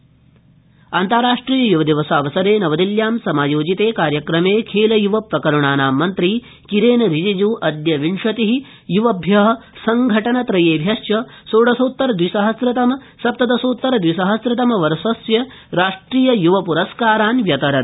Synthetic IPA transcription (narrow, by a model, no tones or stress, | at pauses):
ɐnt̪aːɾaːʂʈɾiːjɐjuʋɐd̪iʋɐsaːʋɐsɐɾeːnɐʋɐd̪iljaːmsɐmaːjoːd͡ʒit̪eːkaːɾjɐkɾɐmeːkʰeːlɐjuʋɐpɾɐkɐɾuɳaːnaːmːɐnt̪ɾi | kiɾeːnɐɾid͡ʒid͡ʒuːʔɐd̪jɐʋiɳʂɐt̪iɦi | juʋɐbʱjɐɦɐ̆sɐŋɡʱɐʈɐnɐt̪ɾɐjeːbʱjɐsjɐsoːɽɐsoːt̪ːɐɾɐd̪ʋisɐɦɐsɾɪt̪ɐmɐ | sɐp̚t̪ɐd̪ɐsoːt̪ːɐɾɐd̪ʋisɐɦɐsɾɪt̪ɐmɐʋɐɾsɐsjɐ | ɾaːʂʈɾiːjɐjuʋɐpuɾɐskaːɾaːnʋjɐt̪ɐɾɐɾ